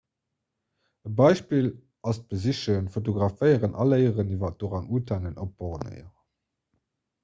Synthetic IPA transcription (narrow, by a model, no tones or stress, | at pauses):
əbɑɪʃpiːl | ɑst̚b̥əziʃənfot̬oɡʁɑfəɪəʁənɑ̰ləɪəʁənivɐt̚d̥oːʁɑŋuːtʰæŋənʔop̚b̥oʁənə̰ɪəʁ